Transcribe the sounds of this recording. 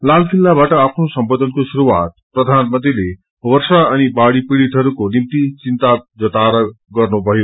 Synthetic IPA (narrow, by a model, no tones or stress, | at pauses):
lalkʰilːabaʈʌapʰnosʌmbod̪ʱʌnkosuɾuwat̪̚prʌd̪ʱanmʌnt̪ile | wʌrsaʌnibaɽipiɽit̪ɦʌɾukonimt̪it͡sint̪ad͡zʌt̪aɾʌ | ɡʌrnubʱʌjo